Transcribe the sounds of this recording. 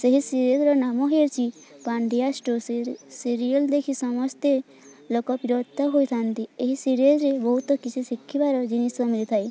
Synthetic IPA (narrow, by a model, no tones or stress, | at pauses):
seɦisiɾezɾɔnamɔɦeɾt͡ʃʰi | paɳɖijasʈossiɾijɔld̪ekʰisɔmɔst̪e | lokɔpiɾɔd̪̚ʱɔɦojt̪ʰant̪ieɦisiɾezɾebɔɦut̪ɔkit͡ʃʰisikʰːibaɾɔd͡ʒinisɔmilit̪ʰaj